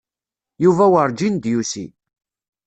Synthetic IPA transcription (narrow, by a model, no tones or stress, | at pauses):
juvæwəɾˤd͡ʒind̪jusḭ